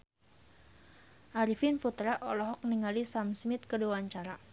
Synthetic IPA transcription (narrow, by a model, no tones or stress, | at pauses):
ʔaɾifinfut̪ɾaʔɔlɔɦɔk̚niŋalisamsmɪt̪̚kəduwaɲt͡ʃaɾa